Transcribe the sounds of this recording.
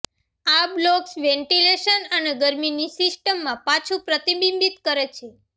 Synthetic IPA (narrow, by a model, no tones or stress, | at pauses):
abloksʋɛ̃ɳʈileʃənəneɡəɾminisisʈəmːãpat͡ʃʰũpɾət̪ibimbit̪kəɾet͡ʃʰe